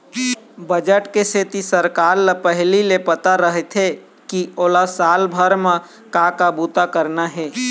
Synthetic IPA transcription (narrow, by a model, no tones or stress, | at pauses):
bəd͡ʒəʈkeseːt̪isəɾkaːɾlapəɦlilepət̪aɾəɦɛt̪ʰɦe | kioːlasaːlbʱəɾmẽ | kakabuːt̪akəɾnaɦɛː